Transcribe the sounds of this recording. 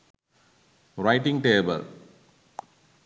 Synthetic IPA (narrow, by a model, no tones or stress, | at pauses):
ɾaɪʈɪ̃ŋɡʈeːbə̰l